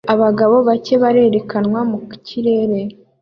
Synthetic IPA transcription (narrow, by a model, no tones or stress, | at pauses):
aβaɡaβo̞βace̞βaɾe̞ːɾe̞kʰanwamuciɾe̞ːɾe̞